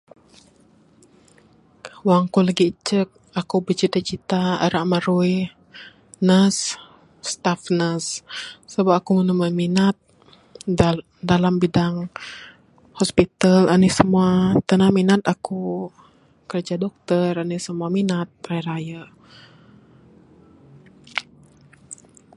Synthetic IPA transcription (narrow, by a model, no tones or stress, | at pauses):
waŋkuləɡit͡ʃək̚ | akubət͡ʃit̪at͡ʃit̪aa̰ɾaʔmaɾui | nəs | st̪afnəsːəbapakumənəmaminat̪̚ | dalambidaŋ | hɔspit̪alanisəmuat̪ənahminat̪aku | kərd͡ʒadɔk̚t̪əranisəmuaminat̪̚ɾajɾaja